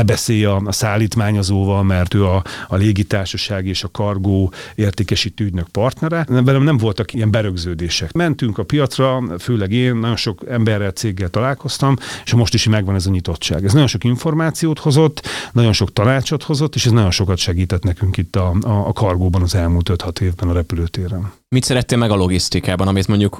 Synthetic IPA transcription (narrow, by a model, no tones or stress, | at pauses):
bɛseːjɒsaːlːiːt̪maːɲɒzoːvɒlmɛrt̪øːɒːleːɡit̪aːrʃɒʃaːɡieːʃɒkɒrɡoːeːrt̪eːkɛʃiːt̪ːøyɟnøk̚pɒrt̪nɛɾɛvɛlømnɛɱvo̞lt̪ɒkijɛmbɛɾøɡzøːd̪eːʃɛkmɛnt̪yŋkɒpijɒt̪srɒføːlɛɡeːnːɒɟo̞nʃo̞kɛmbɛrːɛlt̪seːɡːɛlt̪ɒlaːlko̞st̪ɒmeʃɒmo̞ʃt̪iʃimɛɡʋɒnɛzɒɲit̪o̞t̪ʃa̰ːɡɛznɒɟo̞nʃo̞kiɱfo̞rmaːt̪sijoːt̪ho̞zo̞t̪ːnɒɟo̞nʃo̞kt̪ɒnaːt͡ʃot̪ho̞zo̞t̪ːeːʃɛznɒɟo̞nʃo̞kɒt̪ʃɛɡiːt̪ɛt̪nɛkyŋkit̪ːɒːkʰɒrɡoːbɒnɒzɛlmuːlt̪øt̪hɒt̪eːvbɛnɒɾɛpyløːt̪eːɾɛn | mit̪sɛɾɛt̪ːeːlmɛɡɒlo̞ɡist̪ikaːbɒnɒmit̪mo̞ɲɟuk